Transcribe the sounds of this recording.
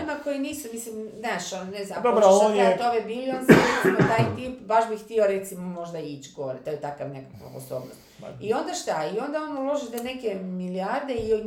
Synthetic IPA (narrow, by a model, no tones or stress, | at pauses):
mako̞jiniːsumislimnaːʃonneznampd̪ooɾoont̪oʋebiːliond̪zaesimot̪aːjt̪ipbaʃbixt̪io̞ɾet̪simomo̞ʒd̪ait͡ɕɡoɾet̪ojet̪akaʋnekakʋa̰po̰so̰ːbnost̪io̞nd̪aʃt̪aio̞nd̪aonulˠo̞ʒit̪ene̞kemiliaɾd̪e̞i